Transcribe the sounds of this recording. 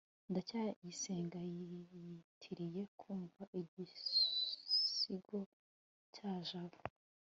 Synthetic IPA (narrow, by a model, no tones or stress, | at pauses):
ndacajise̞ːŋɡaj | tʰiɾije̞kʰuːɱvaʔiɟi | iɡo̞ | caːʒaβo